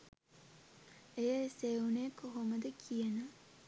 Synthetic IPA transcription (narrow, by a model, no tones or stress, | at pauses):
ejəseunejəkoɦoməd̪əkʰijənə